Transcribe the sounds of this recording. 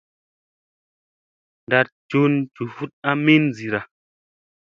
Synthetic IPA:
nda˧t̚t͡ʃu˦nt͡ʃu˨fu˦t̚a˦mi˦n˨zi˨ɾa˨

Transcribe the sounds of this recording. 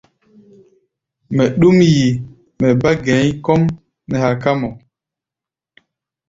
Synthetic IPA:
mɛ˨ɗu˦mji˨ | mɛ˨ba˦ɡɛ˨˦ɲ˦kɔ˦m | nɛ˨ha˨ka˦mɔ˨

